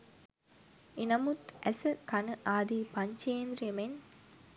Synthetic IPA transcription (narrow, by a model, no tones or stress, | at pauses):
inɐmut̪ʔæsɨkɐnəʔaːd̪iːpɐɲt͡ʃeːnd̪ɾijɐmen